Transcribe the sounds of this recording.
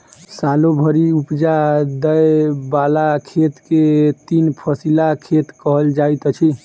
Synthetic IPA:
salobʱəɾiupd͡ʒad̪əjbalakʰet̪ket̪inpʰəsilakʰet̪kəɦəld͡ʒait̪ət͡ʃʰi

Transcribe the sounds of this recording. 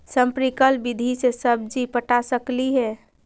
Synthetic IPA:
sə̃mpɾikəlbid̪ʱisesəb̚d͡ʒipəʈasəkliɦɛ

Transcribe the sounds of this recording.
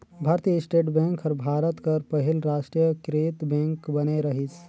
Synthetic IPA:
bʱaɾt̪ijəsʈeʈbɛ̃ŋkʰəɾbʱaɾət̪kəɾpəɦilɾaʂʈɾijəkɾet̪bẽŋkbəneɾəɦit͡s

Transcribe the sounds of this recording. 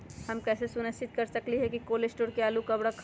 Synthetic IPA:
hɐmkɛːsesʊnəsɪt̪̚kɐɾsɐkliɦɛkikoːlesʈoːɾkeaːlukɐbɽakʰ

